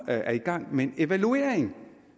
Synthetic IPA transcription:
æɐiɡ̥ɑ̈ŋ̰menne̝ʋæluḛɐ̰eŋ̩

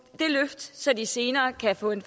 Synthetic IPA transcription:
d̥e̝løfd̥sɒ̽d̥ise̝ːnɐːkʰæfɔ̰̽ːe̝nf

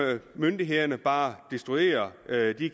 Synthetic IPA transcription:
mønd̥iɦe̝ðˠɐnəb̥ɑ̈ːd̥isd̥ʁue̝̰ːɐd̥i

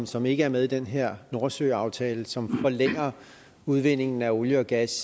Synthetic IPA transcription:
msɒ̽me̝ɡ̥əæɐmeðˠid̥enɦeɐ̰no̝ɐsø̰ːɑ̈ʊt͡sʰɛːləsɒ̽mfɒ̽leŋ̰ɐ | uð̞ˠʋe̝n̰e̝ŋn̩æo̝ljəɒ̽ɡ̥æs

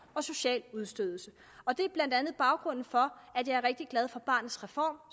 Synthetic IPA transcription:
ɒ̽so̝ɕɛ̰ːluð̞ˠsd̥øðˠl̩sə | ɒ̽d̥e̝b̥lænd̥ænð̩ˠb̥ɑ̈ʊɡ̥ʁɔ̽n̰n̩fɒ̽æ̥jɑ̈ɪæɐʁeɡ̥̚d̥iɡ̥lɛð̞ˠfɒ̽b̥ɑ̰̈ːnð̩ˠsʁɛfɒ̰ːm

